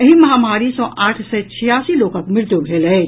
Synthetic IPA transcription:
ɐɦĩmɐɦamaːɾisɔːʔaːʈʰset͡ʃʰɪjaːsiloːkəkmɪɾt̪ubʱeːlɛ

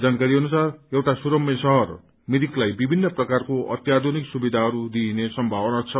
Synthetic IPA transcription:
d͡zankaɾiɦʌnusarewʈasuɾʌmjesʌɦʌr | mid̪iklajbibʱinːʌprʌkarkoʔʌ̰t̪jad̪ʱoniksubid̪ʱaɦʌɾud̪iːnesʌmbʱawʌnat͡sʰʌ

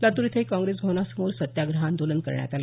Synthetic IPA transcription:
lat̪uɾit̪ʰəɦikãŋɡɾesɡʱonasəmoɾsət̪jaɡɾəɦand̪ʱolənkə̰ɾɳja̰t̪ala

